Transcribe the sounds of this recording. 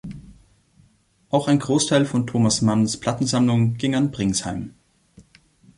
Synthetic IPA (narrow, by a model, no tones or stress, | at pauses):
ʔaʊxaɪnɡʁoːstʰaɪlfɔntʰoːmasmanspʰl̥atn̩zamlʊŋɡ̥ɪŋanbʁɪŋshaɪm